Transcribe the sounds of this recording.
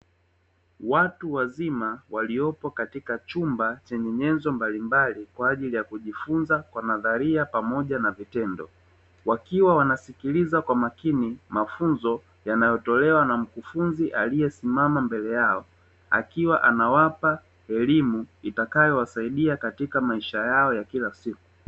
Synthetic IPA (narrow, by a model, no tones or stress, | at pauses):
watuwazimawaliɔpɔkatikat͡ʃumbat͡ʃɛɲɛɲɛnzɔmbalimbalikwaːʄilijakuʄifunzakwanaðaɾiapamɔʄanavitɛndɔ̰ | wakiwawanasikilizakwamakinimafunzɔ | janajɔtɔlɛwanam̩kufunziʔalijɛsimamambɛlɛjaɔ | a̰kiwaʔanawapa | ɛlimuitakajɔwasaiɗiakatikamaiʃajaɔjakilasiku̥